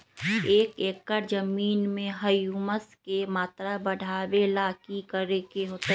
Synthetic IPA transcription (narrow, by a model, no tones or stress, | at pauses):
eːkeːkːəɾd͡ʒəmiːnmẽɦəjuːməskemaːt̪ɾabəɽʱaːwelaːkikəɾekeɦoːt̪e